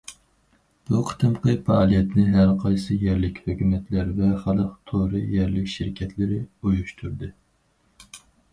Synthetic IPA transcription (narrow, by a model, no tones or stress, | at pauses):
b̥uqʰə̥t̪ʰɨmqʰəfɑːlˠijɛt̪nɪɦæɾqʰɑjsɨjɛɾlɪkʲhøkʲymɛt̪læɾvɛχɑlˠəqt̪ʰoɾɨjɛɾlɪkʲʃɪɾɪkʲʰɛt̪ʰlɪɾɪujuʃt̪ʰuɾd̪ɨ